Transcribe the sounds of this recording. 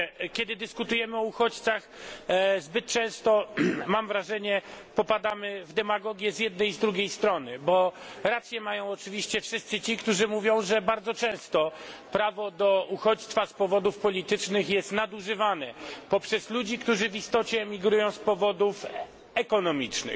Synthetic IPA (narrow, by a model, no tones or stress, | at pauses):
kʲɛd̪ɘd̪ɘskut̪ujɛmɘɔuxɔt͡ɕt̪sax | zbɘt̪̚t͡ʂɛ̃w̃st̪ɔmamvɾaʐɛɲɛpɔpad̪amɘvd̪ɛmaɡɔɡʲjɛzʲjɛd̪̚nɛjzd̪ɾuɡʲejst̪ɾɔnɘbɔɾat̪sʲjɛmajɔ̃w̃ɔt͡ʂɘvʲiɕt͡ɕɛfʂɘst̪sɘt͡ɕikt̪uʐɘmuvʲjɔ̃w̃ʐɛbaɾd̪zɔt͡ʂɛ̃w̃st̪ɔpɾavɔd̪ɔʔuxɔt͡ɕt̪faspɔvɔd̪ufpɔlʲit̪ɘt͡ʂnɘxjɛst̪nad̪uʐɘvanɛpɔpʂɛslud͡ʑikt̪uʐɘvist̪ɔt͡ɕɛːmʲiɡɾujɔ̃w̃spɔvɔd̪uf | ɛkɔnɔmʲit͡ʂnɘ̰x